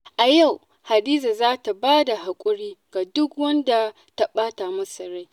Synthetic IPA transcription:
ʔa˨ja˦˨w | ha˨diː˦za˨zaː˦ta˨baː˦da˨ɦa˨kʷʼʊ˦ɽiː˦ɡ̥a˨dʊ˦kwɐ˦nda˨ | ta˦ɓaː˦ta˨mɐ˦sɐ˨ɾa˦j

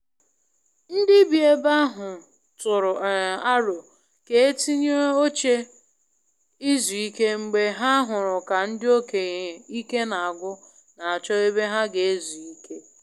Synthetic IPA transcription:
n̩˦dɪ˦bi˨e˦ba˦ɦʊ˨ | tʊ˨ɾʊ˨a˦ɾo˨ | ke˦e˦ti˦ɲo˦o˦t͡ʃe˦ | i˦zu˨i˦ke˦ŋ͡m̩˨ɡ͡be˦ɦa˦ɦʊ˨ɾʊ˨ka˨n̩˦dɪ˦o˦ke˨ɣe˨i˦ke˦na˨a˨ɡʷʊ˦ | na˨a˨t͡ʃɔ˦e˦be˦ɦa˦ɡe˨e˦zu˨i˦kʰe˦

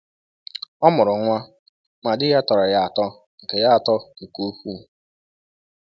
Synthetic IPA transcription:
ɔ˦mʊ˨ɾʊ˨ŋʷa˦ | ma˨dɪ˦ja˦tɔ˨ɾɔ˨ja˦a˨tɔ˦ | ŋ̩˨ke˨ja˦a˨tɔ˦u˨ku˦ɸu˦

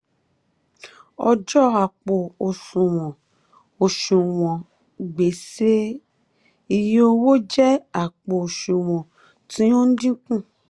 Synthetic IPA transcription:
ɔ˧d͡ʒɔ˦a˨k͡po˨o˨sũ˨w̃ɔ̃˨ | o˨ʃũ˨w̃ɔ̃˨ | ɡ͡be˨se˦ | i˧jo˧wo˦d͡ʒɛ˦a˦˨k͡po˨o˨ʃũ˨w̃ɔ̃˨ | tĩ˨˦õ˦n̩˦dĩ˦kũ˦˨

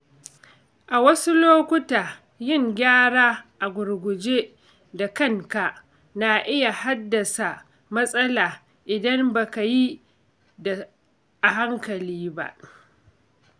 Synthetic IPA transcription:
ʔa˨wɐ˦su˦loː˦kʷʊ˦taː˨ | jɪ˦˨ŋɡʲaː˦ɽaː˦ʔa˨ɡʷʊ˨ɾɡʷʊ˨d͡ʒe˦ | da˨kɐ˦ŋka˨ | na˨ʔɪ˦ja˨ha˦dːɐ˨sa˨ | mɐ˦sʼɐ˦laː˨ | ʔɪ˨dɐ˦mba˨ka˨ji˦ | da˨ | ʔa˨ɦa˦ŋkɐ˨liː˦ba̰˦ʔ

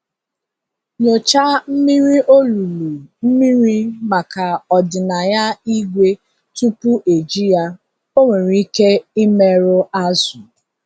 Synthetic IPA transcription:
ɲo˨t͡ʃa˦m̩˦mi˦ɾi˦ʔo˦lu˨lu˨m̩˦mi˦ɾi˦ma˨ka˨ɔ˨dɪ˨na˨ja˦i˦ɡʷe˦ | tu˦pu˦ʔe˨d͡ʒi˦ja˦ | o˦ŋʷe˨ɾi˦ke˦i˦me˨ɾo˦a˦su˨

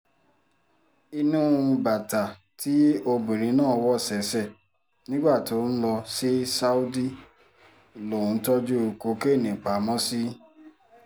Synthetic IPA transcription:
i˧nũ˦˧ba˨ta˨ | tʰi˦o˧bĩ˨ɾ̃ĩ˧˦nãː˦˨˦wɔ˦˨sɛ˨˦sɛ˦˨ | nĩ˦ɡ͡ba˦˨to˨˦n̩˦lɔ˧si˦sa˦u˦di˦ | lõ˨˧˦tɔ˦d͡ʒu˦˨ko˧˦ke˦˨nĩ˨k͡pa˨mɔ̃˦si˦

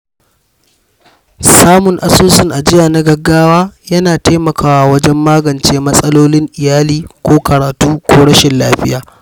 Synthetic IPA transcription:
saː˦mʊ˨ŋʔa˨soː˦sɪ˦˨ŋʔa˨d͡ʒɪ˦jaː˨na˦ɡɐ˨ɡːaː˦waː˦jɐ˦naː˨taː˦mɐ˨kʰaː˦waː˨wɐ˦d͡ʒɛ˦mːaː˦ɡɐ˨nt͡ʃeː˦mɐ˦sʼɐ˦loː˦lɪ˦ŋʔɪ˨jaː˦liː˦kʷoː˦kɐ˨ɾaː˨tuː˦kʷoː˦ɽɐ˦ʃɪ˨nlaː˦ɸɪ˦jaː˨

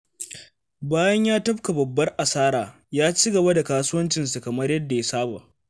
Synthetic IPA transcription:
baː˦jɐ˦ɲjaː˦tɐ˦ɸka˨bɐ˨bːɐ˦rʔa˨saː˦ɾaː˨ | jaː˦t͡ʃiː˦ɡɐ˨ba˦da˨kaː˦su˦wɐ˦nt͡ʃɪ˨nsu˨kɐ˨mɐ˦rjɐ˦dːa˨je˦saː˦ba̰ː˨

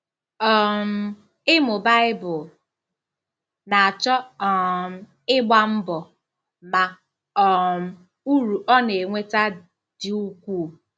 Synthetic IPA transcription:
ɔ˨m̩˦ | ɪ˦mʊ˨ba˦ɪ˦bʊ˨ | na˨a˨t͡ʃɔ˦ɔ˦˨m̩˦ | ɪ˦ɡ͡ba˦m̩˦bɔ˨ | ma˨ | ɔ˨m̩˦ | u˦ɾu˨ʔɔ˦ne˨ŋʷe˦ta˦ | d̥ɪ˨u˦kʷuː˦˨

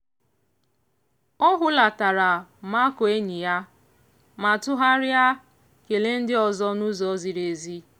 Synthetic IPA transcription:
ɔ˦ɦʊ˦la˨ta˨ɾa˨˦ma˦ko˨e˦ɲi˨ja˦ | ma˨tʊ˦ɦa˦ɾja˦ | ke˨le˦n̩˦dɪ˦ɔ˨zɔ˦nu˦zɔ˦zi˨ɾe˨zi˦

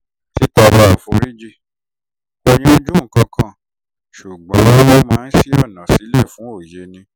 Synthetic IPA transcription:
ti˦ta˧ɾa˧a˧˨fo˧ɾi˦d͡ʒi˦˨ | o˧j̃ĩ˦o˦d͡ʒũ˦ŋ̩˨kã˧kʰã˦˨ | ʃu˨ɡ͡bã˨˦wɔ̃˦mãː˦˧n̩˦si˦ɔ˦˨nã˨si˨˦lɛ˦˨fũ˨˦o˦˨je˨˦nĩ˧˦

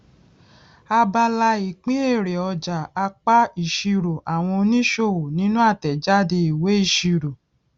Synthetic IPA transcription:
a˧ba˧la˧i˨k͡pĩ˨˦e˦˨ɾe˨ɔ˧d͡ʒa˨a˧k͡pa˦i˨ʃi˧ɾo˨a˨w̃ɔ̃˧o˧nĩ˦ʃo˧˨wo˨nĩ˨˦nũ˦a˦˨tɛ˨d͡ʒa˦de˧i˨we˨˦i˦˨ʃi˧ɾo˨

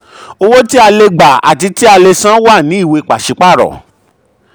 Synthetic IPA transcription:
o˧wo˦ti˦a˧le˧ɡ͡ba˨a̰˨ti˧ti˦a˧le˧sã˦wa˦˨nĩ˨˦i˦˨we˧i˧k͡pa˨ʃi˧k͡pa˦˨ɾɔ̰˨

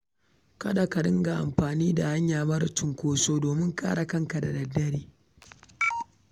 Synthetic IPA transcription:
kɐ˦da˨ka˨ɗɪ˦ŋɡa˨ʔa̰˨mɸaː˨niː˦da˨ha˦ɲjaː˨bɐ˦ɾtʊ˨ŋkʷoː˦soː˦doː˨mɪ˦ŋkʼa̰ː˦ɽa˨kɐ˦ŋka˨da˨dɐ˨dːɐ˦ɽiː˦

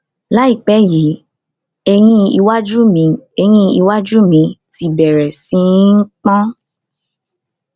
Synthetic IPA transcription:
la˨˦i˦˨k͡pɛ˨˦ji˨˦ | e˧j̃ĩ˦i˧wa˦d͡ʒu˦mĩ˧˦e˧j̃ĩ˦i˧wa˦d͡ʒu˦mĩ˧ti˧bɛ˨ɾɛ˨sĩ˨˧˦ŋ̩˦k͡pɔ̃˦

